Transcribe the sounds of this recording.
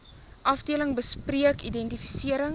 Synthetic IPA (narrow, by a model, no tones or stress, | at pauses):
ʔɐfdiələŋbəspriəkidɛntifisiəɾəŋ